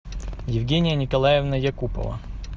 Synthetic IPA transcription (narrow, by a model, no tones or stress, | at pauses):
jɪvɡʲenʲɪjənʲɪkɐlˠajɪvnəjɐkupə̰və̰